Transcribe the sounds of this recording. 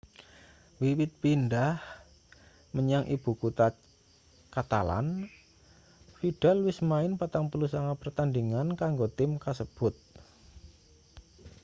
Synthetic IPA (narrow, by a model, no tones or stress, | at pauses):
wiwɪt̪̚pindah | məɲaŋʔib̥ṳkut̪a | kat̪a̰la̰n | fiɖ̥alwɪsmaɪnpat̪aŋpulusaŋapərt̪andiŋankaŋɡot̪ɪmkasəb̥ʊt̪̚